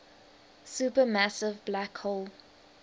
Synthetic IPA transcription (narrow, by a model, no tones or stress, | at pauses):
suˑpəmasɪvblakholˠ